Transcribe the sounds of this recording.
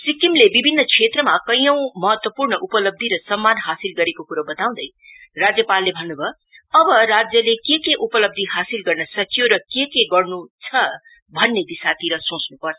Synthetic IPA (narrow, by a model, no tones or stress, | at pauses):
sikimlebibʱinːʌkʰet̪rʌmakʌjʌw̃mʌɦʌt̪wʌpurnʌʔupʌlʌb̚d̪ʱiɾʌsʌmːanɦasilɡʌɾekokuɾabʌt̪aw̃d̪ʌj | rad͡zjʌpalːebʱʌnːubʱʌ | ʌbʌrad͡zjʌlekekeʔupʌlʌb̚d̪ʱiɦasilɡʌrnʌsʌkjoɾʌkekeɡʌrnut͡sʰʌ | bʱʌnːed̪isat̪iɾʌsõt͡snupʌrt͡sʰ